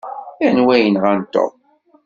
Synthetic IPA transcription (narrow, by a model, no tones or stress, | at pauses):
ænwæjənʁant̪o̰